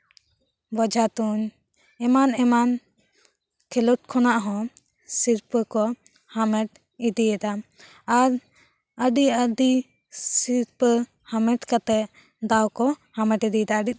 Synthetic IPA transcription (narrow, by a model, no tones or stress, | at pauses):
bɔd͡ʒat̪uɲ | ɛmanɛman | kʰɛlɔʈ̚kʰɔnaʔɦɔ̃ | siɾpkɔ | hamɛʈ | id̪ijɛd̪aː | ɾ | əɖiəɖ̪i | siɾp | hamɛʈkat̪ɛʔ | d̪awkɔhamɛʈid̪iɛd̪aəɖit̚